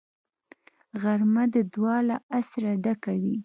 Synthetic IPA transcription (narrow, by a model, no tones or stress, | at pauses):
ɣaɾmad̪əd̪wɑlaʔasɾaɖakawi